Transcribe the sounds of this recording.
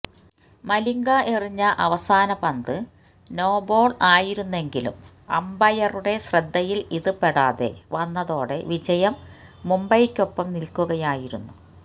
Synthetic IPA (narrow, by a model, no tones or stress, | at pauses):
mɐliŋɡɐʔiriɲːɐʔɐʋɐsaːnɐpɐnd̪ɨ | no̞ːbo̞ːɭaːjiɾunːe̞ŋɡilṵm | ɐ̰mbɐjɐruɽe̞ɕrɐd̪ʱːɐjiliðɨpːeɽaːðe̞̰ʋɐnːɐðo̞ːɽe̞̰ʋid͡ʑɐjɐmː | umbɐjkʲːo̞pːɐmnilkuɣɐjaːjiɾunːu